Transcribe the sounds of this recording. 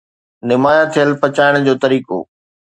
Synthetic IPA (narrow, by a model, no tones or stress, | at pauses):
nɪmaːjat̪ʰijəlpɐt͡ɕaːɪɽ̃d͡ʑoːt̪ɐɾiːko̰ː